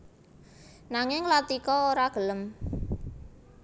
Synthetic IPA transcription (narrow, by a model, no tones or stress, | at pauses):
naŋɪŋlat̪ikɔoɾaɡ̥ə̤ləm